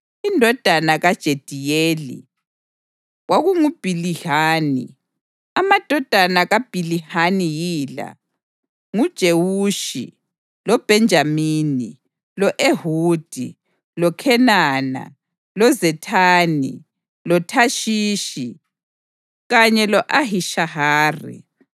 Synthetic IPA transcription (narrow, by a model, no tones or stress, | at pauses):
indʱɔd̥ʱanaɣad̥ʒ̥ʱed̥ʱijeːlḭ | ɣwaɣuŋub̥ʱilihaːnḭ | amad̥ʱɔd̥ʱanaɣab̥ʱilihanijiːla̰ | ŋud̥ʒ̥ʱewuːʃḭ | lɔb̥ʱɛnd͡ʒʱamiːni | lɔʔehuːd̥ʱḭ | lɔkʰɛnaːna̰ | lɔzɛtʰaːnḭ | lɔtʰaʃiːʃi | ɣaɲɛlɔʔaɦiʃahaːrḭ